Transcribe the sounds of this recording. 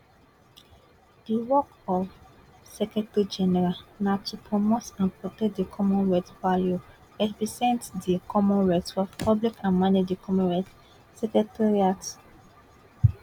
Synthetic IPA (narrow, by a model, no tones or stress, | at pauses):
d̥iwɔk | ɔv | sɛkɹɛtɹid͡ʒɛnɛɹalnatʰupʰɹɔmotãnpʰɹɔtɛk̚dikʰɔmɔ̃nɹɛtvalju | ɛtbisɛ̃ntdikʰɔmɔ̃nɹatfɔpʰablikãnmanidikʰɔmɔ̃nɹat | sɛkɹɛtʰaɹiat